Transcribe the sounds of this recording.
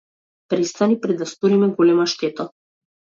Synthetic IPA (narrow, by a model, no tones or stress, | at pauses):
pɾɛst̪anipɾɛd̪ast̪oɾimɛɡolɛmaʃt̪ɛt̪a